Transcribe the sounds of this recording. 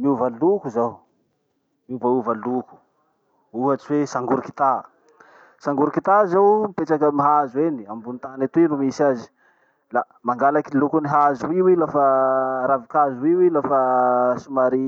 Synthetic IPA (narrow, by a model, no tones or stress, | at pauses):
miuvalukuzaw | miuvauvaluku̥ | uaʈ͡ʂwesaŋɡuɾuki̥t̪a | saŋɡuɾukit̪azawmipeʈ͡ʂakəmiɦazueniambunit̪anat̪uinumisazi̥ | la | maŋɡalakilukuniɦazuiwilafəɾavikazuiwilafəsumaɾi